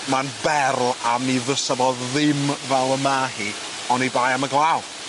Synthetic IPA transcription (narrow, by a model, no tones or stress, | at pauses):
manbɛrlˠamiðəsəvɔððɪmvɛlˠəmaɦi | ɔnibaːjaməɡlˠaw